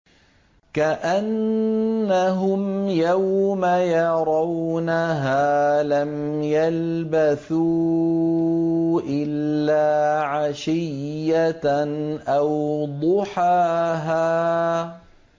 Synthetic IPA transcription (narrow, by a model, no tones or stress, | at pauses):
kaʔanː | aɦʊmjawmajɑɾˤɑwnaɦaːlam | jalbaθuː | ʔɪlːaːʕaʃɪjːa | ʔawd̪ˤʊħaːɦaː